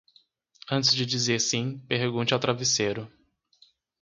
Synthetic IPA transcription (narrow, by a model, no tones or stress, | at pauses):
ɐ̃t͡ʃ̪ɪzd͡ʒɪd͡ʒizeɾsĩpehɡũt͡ʃɪawt̪ɾaviseɾʊ